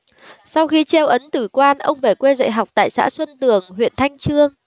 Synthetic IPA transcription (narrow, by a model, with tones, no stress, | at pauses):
sa˧wxi˧t͡ɕɛ˧wʔə˨˦nt̪ɨ˧˩kwaː˧nʔə̰˧wŋ͡mve˧˩kwe˧zə̰˧˨jɦa˨˩wk͡p̚t̪a̰ː˧˨jsa̰ː˧˥swə˧nt̪ɨ˨˩əŋɦwḭ˧˨ənt̪ʰa˧jŋ̟t͡ɕɨ˧əŋ